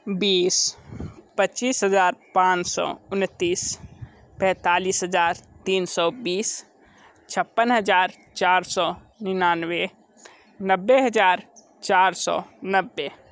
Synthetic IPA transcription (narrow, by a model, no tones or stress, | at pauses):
biːs | pətːt͡ʃiːsɦəd͡ʒaːɾpãːt͡ʃsɔ̰ːʊnt̪iːs | pɛ̃t̪aːliːsɦəd͡ʒaːɾt̪iːnsɔːbiːs | t͡ʃʰəpːənɦəd͡ʒaːɾ | t͡ʃaːɾsɔ | nɪnaːnwe | nəbːeɦəd͡ʒaːɾ | t͡ʃaːɾsɔ̰ːnəbːe